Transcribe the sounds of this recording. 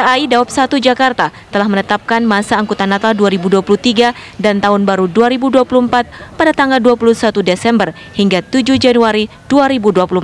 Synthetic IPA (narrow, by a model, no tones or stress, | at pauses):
kaaidawap̚sat̪ud͡ʒakart̪at̪əlahmənət̪ap̚kanmasaːŋkut̪anat̪alduaɾibuduapulut̪iɡa | dant̪aɦʊnbaɾuduaɾibuduapuluəmpat̪̚padat̪aŋɡalduapulusat̪udesɛmbər | hiŋɡat̪ud͡ʒud͡ʒanuaɾi | d̥uaɾibuduapulum